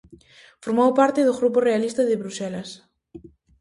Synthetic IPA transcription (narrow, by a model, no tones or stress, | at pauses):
foɾmowpaɾt̪ɪðʊɣɾuporealist̪ɐðɪβɾusɛlɐs